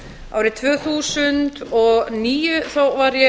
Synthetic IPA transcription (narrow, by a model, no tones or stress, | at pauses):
ʔa̰ːwɾɪt̪ʰvœːɣθuːsʏnt̪ɔɣniːjʏθawvaɾjɛ